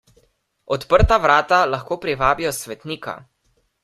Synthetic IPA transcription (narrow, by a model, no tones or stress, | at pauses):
ɔt̪pəɾt̪aʋɾaːt̪alaxkoːpɾiʋaːbijɔsʋɛt̪niːka̰